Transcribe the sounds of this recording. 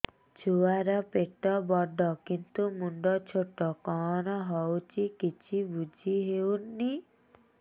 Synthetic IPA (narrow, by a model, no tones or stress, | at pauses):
d͡ʒuaɾɔpeʈɔbɔɖʱɔkint̪umuɳɖɔt͡ʃʰoʈːɔkɔnɔɦɔwt͡ʃʰikit͡ʃʰibud͡ʒʱiɦewnːi